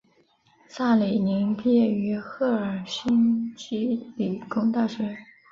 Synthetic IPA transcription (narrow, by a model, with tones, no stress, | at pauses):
sa˥˩li˨˩ni˧˥ŋpjɛ˥˩y˧˥xɤ˥˩ə˞˨˩ɕi˥nt͡ɕi˥li˨˩kʊ˥ŋt̪a˥˩ʂɥɛ˧˥